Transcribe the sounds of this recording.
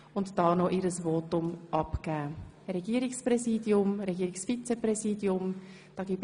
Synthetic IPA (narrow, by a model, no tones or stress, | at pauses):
ʊntd̥ɑːnoʔiɾəsvoːtʊmʔɑpkæː | ɾɛɡiːəɾɪksprɛziːdjʊmɾɛɡiːɾɪksfit͡seprɛziːdjʊm | d̥ɑːɡiːb